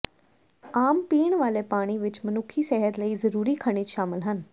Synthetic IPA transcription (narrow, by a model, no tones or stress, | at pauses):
aːmpiːɳʋaːleːpaːɽ̃iːʋɪt͡ʃmənʊkʰːiːsɛːɦət̪ləiːzəɾuːɾiːkʰəɽ̃iːʃaːmɪlɦən